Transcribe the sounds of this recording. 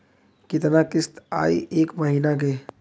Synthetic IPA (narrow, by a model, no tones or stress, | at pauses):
kɪt̪nakɪst̪a̰ːḭʔeːkmɐɦiːnaɡeː